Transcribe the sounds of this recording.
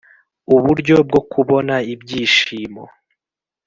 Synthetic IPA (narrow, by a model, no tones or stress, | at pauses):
uβuɾɟob̚ɡo̞kʰuβo̞naibɟiːʃiːmo̰